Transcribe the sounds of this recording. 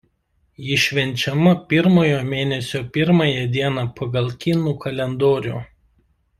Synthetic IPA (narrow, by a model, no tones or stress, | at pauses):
jɪʃʲʋʲɛnʲt͡ʃʲɛmɐpʲɪɾmoːjoːmʲeːnʲɛsʲoːpʲɪɾmɑjɛd̪ʲiɛnɑːpɐɡɐlˠkʲɪnuːkɐlʲɛnd̪oːɾʲṵː